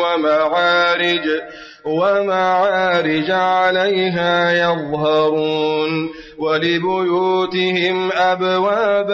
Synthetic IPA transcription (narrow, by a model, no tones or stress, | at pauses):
amaʕaːɾɪd͡ʒ | wamaʕaːɾɪd͡ʒaʕalajɦaːjɑðˤɦɑɾˤuːn | walɪbʊjuːt̪ɪɦɪmʔabwaːb